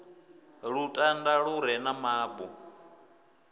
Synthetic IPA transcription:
ɺutʼandaɺuɾɛnamaːbu

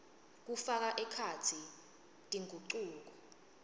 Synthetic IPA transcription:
k̬ufak̬aʔɛkʰat͡sʰi | tʼiŋʱuǃuːk̬ɔ

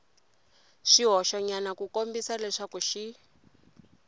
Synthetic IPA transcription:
ʂiɦɔʃɔɲanakukombisalɛʂakuʃi

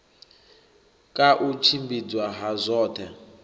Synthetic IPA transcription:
kʼaʔut͡ʃʰimbid͡zwaɦazʷɔːtʰɛ

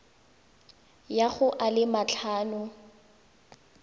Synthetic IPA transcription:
jaɣʊʔalɪmat͡ɬʰaːnʊ

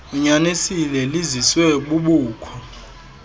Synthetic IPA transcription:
uɲanesilɛliziswɛɓuɓuːkʰɔ

